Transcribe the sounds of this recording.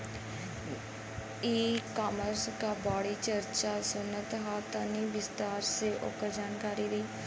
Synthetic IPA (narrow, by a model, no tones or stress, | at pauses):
iːkaːməɾskaːbaːɽiːt͡ʃəɾt͡ʃaːsʊnːət̪ɦaːt̪aniːʋɪst̪aːɾseːʔʊ̰kːəɾd͡ʒaːnkaːɾiːɾiː